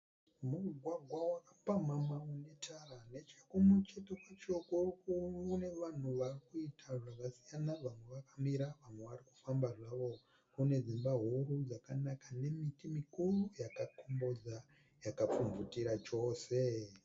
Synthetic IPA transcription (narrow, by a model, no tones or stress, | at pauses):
muɡʱwaɡʱwawakapamamaune̞tʰarane̞t͡ʃakumut͡ʃetekat͡ʃokokuune̞ʋan̤uʋarikuitʰaʐakasijanaʋamwe̞ʋakamiɾaʋamwe̞ʋariku̥fambaʐaʋo̞ | kune̞zimbaɦuɾud͡zakanakane̞mitimikurujakakombo̞d͡za | jakap͡fumvutiɾat͡ʃo̞ːse̞